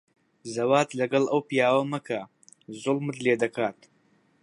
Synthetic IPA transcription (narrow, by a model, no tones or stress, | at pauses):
zɐwaːt̪lɐɡɐlɐwpijaːwɐmɐkʰɐ | zʊlˠmɨt̪leːd̪ɐkʰaːt̪